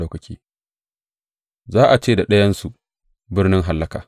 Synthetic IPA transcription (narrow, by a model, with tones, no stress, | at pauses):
oː˦kɐ˨kʲiː˦ | zaː˦ʔa˨t͡ʃeː˦˨da˨ɗɐ˦jɐ˦nsu˨ | bɪ˦rnɪ˦ŋɦa˨lːɐ˦kaː˨